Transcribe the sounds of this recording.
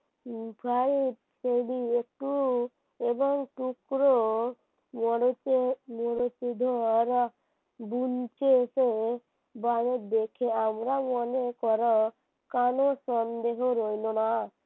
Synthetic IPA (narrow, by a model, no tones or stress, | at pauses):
pʰaɾit̪ | seɖiek̚ʈu | ebɔŋʈukɾo | mɔɽot͡ʃemɔɽot͡ʃid̪ʱɔɾ | bunt͡ʃese | baned̪ekʰeamɾamɔnekɔɾɔ | kanosɔnd̪eɦoɾojlona